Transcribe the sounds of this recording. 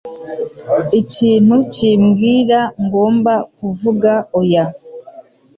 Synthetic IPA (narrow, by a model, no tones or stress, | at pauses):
iciːn̥uciːmɡiːɾaŋɡo̞ːmbakuvuɡaoja